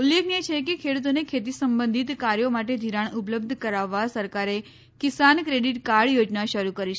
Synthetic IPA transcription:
ulːekʰnet͡ʃʰekekʰeɽut̪onekʰet̪isəmbə̃nd̪ʱit̪kaɾjomaʈed̪ʱiɾaɳupləb̚d̪ʱəkəɾaʋːasəɾkaɾe | kisankɾeɽiʈkaɽjod͡ʒnaʃəɾukəɾiʃe

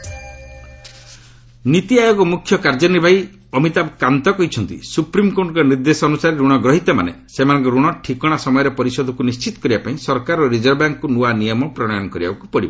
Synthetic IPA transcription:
nit̪iajoɡɔmukʰːjɔkaɾd͡ʒɔnibʱaj | ɔmit̪abkant̪ɔkɔɦit͡ʃʰɔnt̪ḭsupɾimkoʈɔkɔniɾd̪esɔːnusaɾeɾuɽ̃ɔɡɾɔɦit̪ɔma̰ne | semanɔŋkɔɾuɽ̃ɔʈʰikɔɽ̃asɔmɔjɔɾepɔɾisɔd̪ʱɔkunist͡ʃit̪ɔ̥kɔɾibapaĩsɔɾkaɾɔɾid͡ʒɔɾbaŋkkunuanijɔmɔpɾɔɽ̃jɔnɔkɔɾiba̰bakupɔɽiba

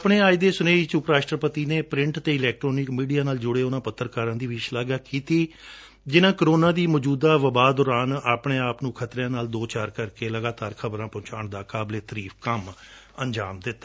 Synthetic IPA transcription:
pɳeːaːid̪eːsʊneːit͡ʃʊpɾaːʃʈəɾpət̪iːneːpɾɪ̃ɳʈt̪eːɪlɛːk̚ʈɾoːnɪkmiːɖijaːnaːld͡ʒʊɽeːʊnãːpət̪ːəɾkaːɾə̃ːnd̪iːʋɪt͡ʃlaːɡaːkiːt̪iː | d͡ʒɪnãːkəɾoːnãːd̪iːmɔːd͡ʒuːd̪aːʋəbaːd̪ɔːɾaːnaːpɳeːaːpnũːkʰət̪ɾãːnaːld̪oːt͡ʃaːɾkəɾkeːləɡaːt̪aːɾkʰəbɾãːpɔ̃ːt͡ʃaːɳd̪aːkaːbleːt̪əɾiːfkəm | ənd͡ʒa̰ːmd̪ɪt̪ːaː

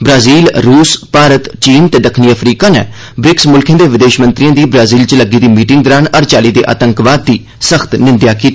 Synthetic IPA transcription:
bɾaːziːlɾuːspaːɾət̪t͡ʃiːnt̪ɛːd̪əkʰniːəpʰɾiːkaːnḛː | bɾɪksmʊlkʰẽːd̪eːʋɪd̪eːʃmə̃nt̪ɾijãːd̪iːbɾaːziːlt͡ʃləɡiːd̪iːmiːʈɪŋɡ̚d̪ɔːɾaːnəɾt͡ʃaːliːd̪ḛːʔa̰ːt̪əŋkʋaːd̪ːiː | səxt̪nɪ̃nd̪jaːkiːt̪ː

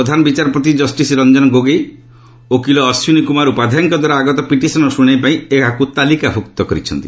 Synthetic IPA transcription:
ɔd̪ʱanɔbit͡ʃaɾɔpɔt̪id͡ʒɔsʈisiɾɔnd͡ʒɔnɔɡoɡej | okilɔːsjunikumaɾupad̪ʱaŋkɔd̪ʱwaɾaːɡɔt̪ɔpiʈisɔnɔsuɽ̃ejpaĩekakut̪alikabʱukt̪ɔkɔɾit͡ʃʰɔ̰nt̪i

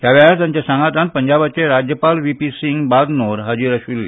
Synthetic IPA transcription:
t̪jaʋaat̪jãɲt͡ɕasãŋɡat̪ãnt̪̚pəɲd͡ʑabat͡ɕeɾad͡ʑjəpalʋipisiŋɡbad̪noɾɦəd͡ʑiɾəɕilːe

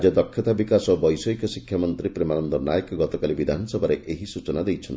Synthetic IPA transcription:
d͡ʒɔd̪ɔkʰːjɔt̪abikasɔobɔjsɔjkɔsikʰːjamɔnt̪ɾipɾemanɔnd̪ɔnajekɔɡɔt̪ɔkalibid̪ʱanɔsɔbʱaɾeʔeɦisut͡ʃɔnad̪ejt͡ʃʰɔnt̪

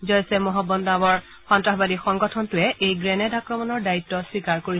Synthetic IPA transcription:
zɔjsɛmɔɦɔbɔndabɔɹ | xɔntɹaxbadixɔŋɡɔtʰɔntʊɛʔejɡɹɛnɛdakɹɔmɔnɔɹdaitːɔswikaɹkoɹi

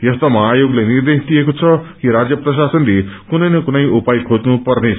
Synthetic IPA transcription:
jʌst̪ʌmʌajoɡlajnird̪est̪ijekot͡sʰʌkiɾad͡zjʌprʌʃ̬asʌnɾikunʌjnʌkunʌjʔupajkʰod͡znupʌrnesʰ

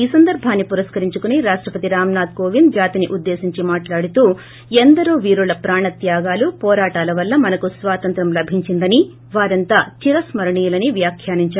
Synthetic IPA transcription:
iːsɐnd̪ɐɾbʱaːnːipuɾɐskɐɾiɲt͡ʃukuniɾaːʂʈɾɐpɐt̪iɾaːmnaːd̪ɡoːʋind̪d͡ʒaːt̪iniʔud̪ːe̞ːsiɲt͡ʃimaːʈlaːɽut̪uː | end̪ɐɾuːʋiːɾulɐpɾaːɳɐt̪jaːɡaːlupɔːɾaːʈaːlɐʋɐlːɐmɐnɐkusʋaːt̪ɐnt̪ɾɐmlɐbʱiɲt͡ʃind̪ɐni | ʋaːɾɐnt̪aːt͡ʃiɾɐsmɐɾɐɳijulɐniʋjaːkʰjaːniɲt͡ʃaːɾ

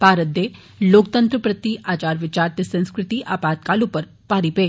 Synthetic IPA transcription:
paːɾət̪̚d̪e | loːkt̪ənt̪ɾəpɾət̪iʔaːt͡ʃaːɾʋɪt͡ʃaːɾt̪esə̃ñskɾɪt̪iʔaːpaːt̪kalupəɾ | paɾipe

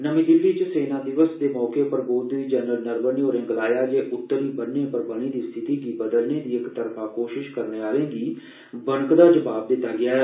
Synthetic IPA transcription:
nəmĩːd̪ɪlːiːt͡ʃəseːnãːd̪ɪʋəsd̪eːmɔːkeːpəɾboːd̪ʋiːd͡ʒɛnəlnəɾbəniːoːɾẽːɡəlaːjaːd͡ʒeːʔʊt̪ːəɾʋiːbənːẽːpəɾbəɽ̃iːd̪iːst̪ʰɪt̪iːɡiːbəd̪əlneːd̪iːɪkt̪əɾpʰaːkoːʃɪʃkəɾneːaːɾẽːɡiː | bəɳəkd̪aːd͡ʒəʋaːb̚d̪ɪt̪ːaːɡɪaːɦɛ

